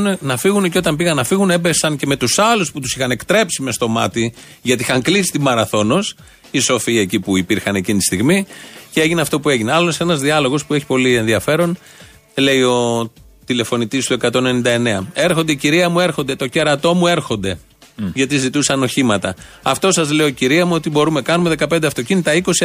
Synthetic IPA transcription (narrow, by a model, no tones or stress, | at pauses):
nenɐfiɣuneceo̞t̪ɐmpiɣɐnɐfiɣune̞besɐnce̞me̞t̪usɐlusput̪usixɐne̞kt̪ɾe̞psime̞st̪o̞mɐt̪i | ʝɐt̪ixɐŋklisi̥t̪imɐɾɐθo̞no̞s | iso̞fiɐecipuipiɾxɐne̞cinit̪ist̪iɣmiceeʝineɐft̪o̞pue̞ʝineɐloose̞nɐzðiɐlo̞ɣo̞spueçi̥po̞lie̞nðiɐfe̞ɾo̞n | le̞io̞ | t̪ile̞fo̞nit̪ist̪ue̞kɐt̪o̞nenind̪ɐe̞ne̞ɐe̞ɾxo̞nd̪eiciɾiɐmue̞ɾxo̞nd̪e̞t̪o̞ce̞ɾɐt̪o̞mue̞ɾxo̞nd̪e̞ | ʝɐt̪̬izit̪usɐno̞çimɐt̪ɐ | ɐft̪o̞sɐzleociɾiɐmuo̞t̪ibo̞ɾume̞kɐnume̞ðekɐped̪eɐft̪o̞cinit̪ɐiko̞si